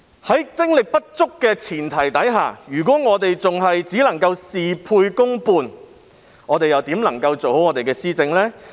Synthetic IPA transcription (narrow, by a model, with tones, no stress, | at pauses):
hɐ˨˥jt͡sɪ˥ŋlɪ˨k̚pɐ˥t̚t͡sʊ˥kːɛː˧t͡sʰiː˨˩nt̪ʰɐ˨˩jt̪ɐ˨˥jɦa̰ː˨jyː˨˩k̬ɔː˨˥ŋɔː˨˧t̪e˨jt͡sʊ˨ŋɦɐ˨jt͡siː˨˥lɐ˨˩ŋkɐ˧wsiː˨pʰuː˧jkʊ˥ŋpuː˧n | ŋɔː˨˧t̪e˨jɐ˨wt̪iː˨˥mlɐ˨˩ŋkɐ˧wt͡so˨who˨˥wŋɔː˨˧t̪e˨jkɛː˧siː˥t͡sɪ˧ŋlɛː˥